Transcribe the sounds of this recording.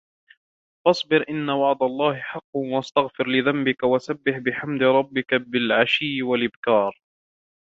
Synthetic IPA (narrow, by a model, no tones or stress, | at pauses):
fɑsˤbɪɾʔɪnːawɑʕd̪alˤːɑːhɪħɑqːʔast̪aɣfɪɾlɪðambɪkawasabːɪħbɪħamd̪ɪɾˤɑbːɪkabɪlʕaʃiːwalʔɪbkɑːɾˤ